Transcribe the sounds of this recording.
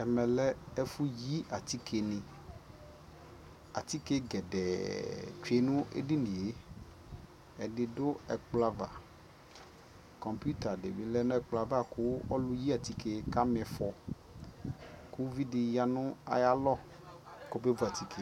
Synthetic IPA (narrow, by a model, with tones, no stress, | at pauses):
ɛ˨mɛ˨lɛ˦ɛ˦fu˦ji˦a˨t̪i˦kʰe˨nɪ̃˨ | a̰˨t̪i˦ke˦ɡɛ˨dɛ̰˨t͡ʃe˨nʊ̃˦ḛ˦dɪ˦nĩ˨e˦ | ɛ˨dɪ˨dʊ˦ɛ˨k͡pla˦va̰˨ | kɔ˨mpu˦t̪a˨de˨bɪ˨˦lɛ˦nʊ̃˦ɛ˦k͡pla˨va˦kʊ˦ɔ̰˦lʊ˦ji˦a˨t̪i˦ke˨ka˦mɛ̃˨fɔ˨ | ku˦vi˦dɪ˨ja˨nʊ̃˦a̰˨ja˦lɔ˦ | kɔ˦be˦vu˦a˨t̪i˨kʰe˨